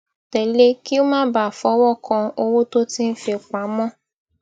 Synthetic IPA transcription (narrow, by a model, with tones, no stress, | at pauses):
tɛ˨le˦ki˦o˦mãː˦ba˨fɔ˨˦wɔ˦˨kʰɔ̃˧o˧wo˦to˦tĩ˦n̩˦fe˨k͡pa˨˦mɔ̃˦˨